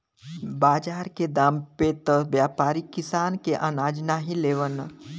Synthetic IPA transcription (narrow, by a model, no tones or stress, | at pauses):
baːd͡ʒaːɾked̪aːmpet̪əʋjaːpaːɾikɪsaːnkeʔənaːd͡ʒnaɦileːʋən